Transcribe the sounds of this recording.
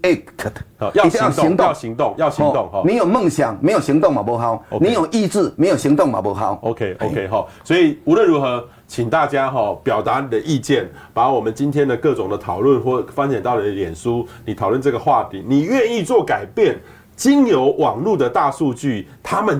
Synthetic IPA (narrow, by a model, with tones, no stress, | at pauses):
e˦kʰji˨˧ŋt̪ɑ˥˨ɕi˧ŋt̪ʊ˥˨ŋjɑ˥˨ʊɕi˨ŋ˨t̪o˥˨ŋɔ˨nĩ˨˦jo˨˩ʊmə˥˨ŋɕja˨˩ŋme˧˦ɪjo˨˩ɕi˧˥ŋt̪o˥˨ŋma˨˩bɔ˧˥ɦa˦ʊnĩ˨˧˦jo˨˩ʔi˥˧t͡sɹ̩˥˩me˧˥ɪjo˨˩ɕi˧˥ŋt̪ʊ˥˨ŋma̰˨˩bo˧˥ɦa˦ʊo˧kʰe˦o˧˦kʰe˦ɪɦɔ˥˨˩swɔ˧˥i˨˩u˧˦lwə˥˨nɻu˧˥xɤ˧˦ | t͡ɕʰi˨˩ŋt̪a˥˩t͡ɕja˦ɦɔ˨˩pjɑ˨˩ʊt̪a˧˦ni˨d̪ə˩ʔi˥˧t͡ɕjɛ˥˩n | pa˨˦wɔ˨˩mə˨nt͡ɕi˦nt̪ʰjɛ˦nd̪ə˨kɤ˥˨ʈ͡ʂʊ˨˩ŋd̪ə˦t̪ʰɑ˨˩ʊlwə˥˨nxwɔ˥˨˩fa˦ŋɕja˨˩nt̪ɑ˥˩ʊni˨˩d̪ə˨ljɛ˨˩nʂu˦ni˨t̪ʰɑ˨˩lwə˥˧nʈ͡ʂɤə˥˩ɡə˩xwa˥˨t̪ʰi˨˩˦ni˨˩ɥɛ˥˧ni˥˧t͡swɔ˥˨ka˨˩ɪpjɛ˥˩n | t͡ɕi˦njo˧˦ʊwʔɑ˨˩ŋlu˥˨d̪ə˨t̪a˥˧su˥˧t͡ɕy˥˨t̪ʰa˦mə˨n